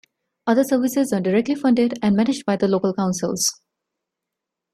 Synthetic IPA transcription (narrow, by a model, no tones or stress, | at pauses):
ʌd̪əsəɾʋɪsɪzəːɖɪɾɛk̚ʈlifʌ̃ɳɖɪɖæ̃nɖmænɪd͡ʒɖ̚baɪd̪əloːkəlkãʊ̃nsɪ̰lz̥